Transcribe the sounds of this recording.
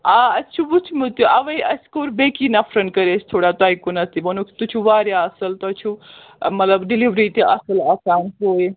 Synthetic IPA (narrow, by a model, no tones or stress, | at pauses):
aɐst͡ʃʰubut͡ʃʰumut̪uʔɐʋɐjɐskoɾbekinɐpʰɾɐn̚kɐɾesʰt̪ʰoːɽat̪ajkunɐst̪ibɐnukʰt̪ut͡ʃʰuʋaːɾjaɐsɐlt̪ɔt͡ʃʰu | mɐt̪lɐbɖiliʋɾiʈiɐsɐlɐsaːnpoːj